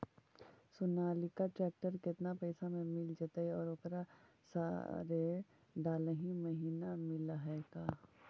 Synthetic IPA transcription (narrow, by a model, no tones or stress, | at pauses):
sʊnaːlikaʈɾɛːk̚ʈəɾkɪt̪napɛɪsamẽmɪld͡ʒat̪aɛɔːɾoːkɾa | sa̰ɾe | ɖaːləɦĩməɦiːnamɪlaɦɛːkaː